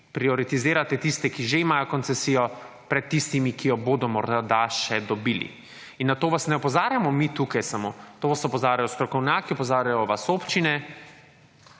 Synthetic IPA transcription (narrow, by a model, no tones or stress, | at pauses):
pɾiɔɾit̪izeːɾat̪ɛt̪ist̪ɛkiʒeimaːjɔkɔnsɛsiːjɔ | pɾɛt̪ːist̪imikijɔboːd̪ɔmɔɾd̪ad̪aʃɛd̪ɔbilḭ | inːat̪oːʋasnɛɔpɔzaːɾjamɔmit̪uːkajsamoːt̪oːʋasɔpɔzaːɾjajɔst̪ɾɔkɔwnjaːkiɔpɔzaːɾjajɔʋasoːpt͡ʃinɛ